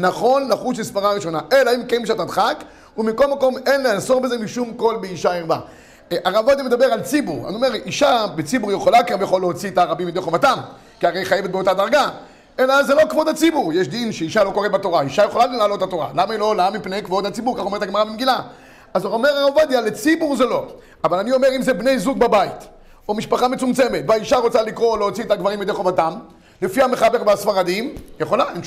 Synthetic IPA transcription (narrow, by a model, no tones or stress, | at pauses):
naχo̞nlaχut͡ʃmispaʁaʁiʃo̞naʔe̞laimkemiʃ̬at̪ad̪χak | umiko̞lmako̞me̞nleaso̞ʁbezemiʃumko̞lbeiʃaiʁba̰ | ʔaʁabvad̪imed̪abe̞ʁalt͡sibuʁa̰omeʁiʃabet͡sibuʁjeχolakabjaχoleot͡siet̪aʁabimjd̪eχomat̪am | kiaʁejχajevet̪̚beo̞tad̪aʁɡa | elaazːelo̞kvo̞d̪hat͡sibuʁjeʃd̪inʃeiʃalo̞ko̞ʁet̪̚bat̪o̞ʁaiʃajeχolalelaːlo̞t̪hat̪o̞ʁa̰lamailo̞lamipnejkvo̞d̪hat͡sibuʁkaχomet̪aɡmaʁabimɡila | azoome̞ʁaʁavad̪ialet͡sibuʁzelo̞ | avalanio̞meʁimzebne̞jzuɡbabait̪ | omiʃpaχamet͡sumt͡se̞met̪vaiʃaʁo̞t͡salikʁo̞leot͡siet̪aɡvaʁimid̪eχovat̪am | lefiameχabekbasfaʁad̪imjeχo̞laim